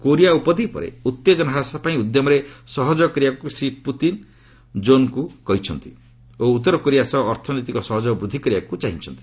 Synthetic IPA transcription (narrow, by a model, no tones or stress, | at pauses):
koɾijaupɔd̪ʱipɔ̰ɾḛut̪ːed͡ʒɔnaɦasapaĩud̪jɔmɔɾesɔɦɔd͡ʒɔkɾijakusɾiput̪in | d͡ʒonkukɔɦit͡ʃʰɔnt̪i | out̪ːɔɾɔkoɾijasɔːɾt̪ʰɔnit̪ikɔsɔɦɔd͡ʒɔbɾud̪ʱːikɔɾiakut͡ʃaɦit͡ʃʰɔnt̪i̥